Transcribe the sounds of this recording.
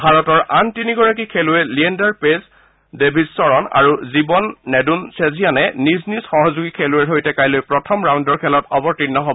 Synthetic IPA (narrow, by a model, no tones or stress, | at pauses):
bʱaɹɔtɔɹʔantiniɡɔɹak̬ikʰelʊɛliɛndaɹpes | debʱizsɔɹɔna̰ɹuzibɔnːɛdunsezijanɛniznisxɔɦɔzuɡikʰelʊɛɹɦojtɛkajlojpɹɔtʰɔmɹaw̃ndɔɹkʰɛlɔtɔbɔɹtinːɔɦobɔ